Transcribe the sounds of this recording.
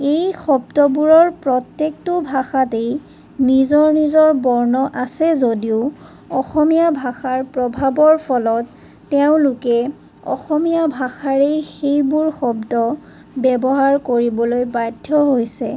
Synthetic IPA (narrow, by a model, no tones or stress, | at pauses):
ejxɔb̚dɔbuɹɔɹpɹɔtjek̚tʊbʱaxatej | nizɔɹnizɔɹbɔɹnɔʔasɛzodiʊ | ɔxɔmijabʱaxaɹpɹɔbʱabɔɹpʰɔlɔtː | ɛʊ̃lʊkɛ | ɔ̰xɔmijabʱaxaɹejxejbuɹxɔbdɔ | bɛbɔɦaɹkoɹibɔlojbajdʱːɔɦojsɛ